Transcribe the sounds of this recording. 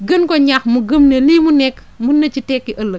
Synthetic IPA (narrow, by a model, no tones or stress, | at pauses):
ɡənkɔɲaxmuɡəmnelimunɛkː | munːɐt͡ʃitɛkːiʔɐlːə